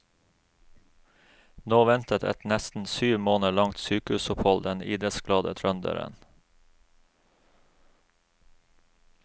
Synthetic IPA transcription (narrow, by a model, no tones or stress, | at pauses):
noːʋɛnt̪ət̪ʰɛ̰t̪nɛst̪n̩syːʋmoːnəɭɑŋt̪syːkəʉːsʊphɔld̪ɛniːd̪ɾət̪sɡlɑːd̪ət̪ʰɾœnd̪ə̰ɾə̰n